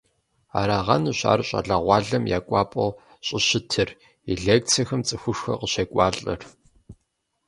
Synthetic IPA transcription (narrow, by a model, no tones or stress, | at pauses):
a̰ːɾaʁɐ̰nɨɕa̰ːrɕʼa̰ɮɐʁʷɑːɮɐmjaːkʷʼɑːpʼɐw | ɕʼɪɕɪtʰɨr | eɮeːk̚t͡sʰɐxɐmt͡sʼɨxʷʊʂxɐ̰qəɕeːkʷʼɑːɬʼɐ̰r